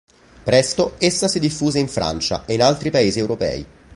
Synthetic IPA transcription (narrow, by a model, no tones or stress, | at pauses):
pɾɛst̪oesːasid̪ifːuːzeiɱfɾa̰nt͡ʃa̰ʔeinalt̪ɾipaeːziɛwɾopɛ̰ːḭ